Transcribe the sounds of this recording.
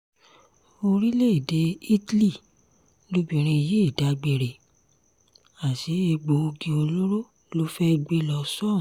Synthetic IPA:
o˧ɾi˦le˦i˨de˨˦i˦tli˦˨ | lu˧bĩ˨ɾ̃ĩ˧i˨je˨˦i˦˨da˨˦ɡ͡be˧ɾe˨ | a˨ti˨˦e˧ɡ͡bo˧o˧ɡi˧o˧lo˦ɾo˦ | lo˦fɛ˦˧ɡ͡be˦lɔ˧sɔ̃˦˨

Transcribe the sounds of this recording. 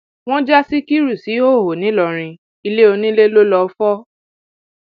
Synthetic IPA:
w̃ɔ̃˦d͡ʒa˦si˦ki˦ɾu˦˨si˨˦o˦˨ɦo˨nĩ˨˦lɔ˧˨ɾ̃ĩ˧ | i˧le˦o˧nĩ˦le˦lo˦lɔ˧˦fɔ˦

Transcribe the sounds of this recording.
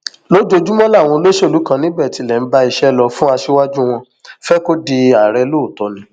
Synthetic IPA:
lo˦d͡ʒo˧d͡ʒu˦mɔ̃˦la˦˨w̃ɔ̃˧lo˦ʃo˦˨lu˨˦kã˦˧nĩ˦bɛ˦˨ti˨˧˦lɛ˨n̩˦ba˦i˧ʃɛ˦lɔ˧fũ˦a˧ʃe˦wa˦d͡ʒu˦w̃ɔ̃˧ | fɛ˦ko˦di˧a˨ɾɛ˧lo˦˨tɔ˨nĩ˨˦

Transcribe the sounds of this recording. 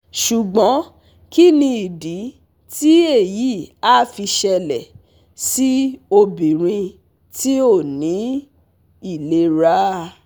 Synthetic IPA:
ʃu˨ɡ͡bɔ̃˨˦ | ki˦nĩ˧i˨di˨˦ | ti˦e˦˨ji˨˦a˦˨fi˧ʃɛ˧lɛ˨ | si˦o˧bĩ˨ɾ̃ĩ˧ | ti˦o˦˨nĩ˨˦ | i˦˨le˧ɾa˦

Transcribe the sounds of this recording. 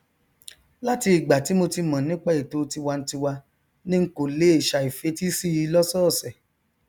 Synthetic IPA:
la˦ti˧i˨ɡ͡ba˨ti˨˦mo˧ti˧mã˨nĩ˦k͡pa˦˨i˨to˨˦ti˧wa˧n̩˦ti˧wa˧ | nĩ˦ŋ̩˦ko˨le˨˦e˦˨ʃa˨i˨fe˨˦ti˦si˦i˧˦lɔ˦sɔː˦˨sɛ˨

